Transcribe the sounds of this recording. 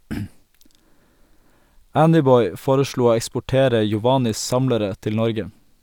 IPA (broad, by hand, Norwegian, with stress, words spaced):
ˈændɪˌbɔʏ ˈfoːɾəˌʃɭuː ˈoː ɛkspʊˈʈeːɾə jɔˈʋɑːnɪs ˈsɑmləɾə ˈtɪl ˈnɔɾɡə